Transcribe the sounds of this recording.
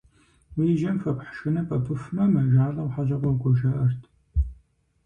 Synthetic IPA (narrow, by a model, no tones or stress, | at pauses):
wiʒɐmfɐpħʃɨnɐpʰʼɐpʰɨfmɐmɐʒaːɮɐwħaʒɐqʷɔwɡʷɔʒɐʔɐrtʰ